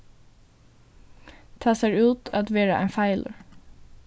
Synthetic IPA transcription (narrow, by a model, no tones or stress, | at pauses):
t̪ʰɑːseːɹʉːt̪ʰɑt̪ʋeːɹə̰ʔæ̰ɪfæɪlʔə̰ɹ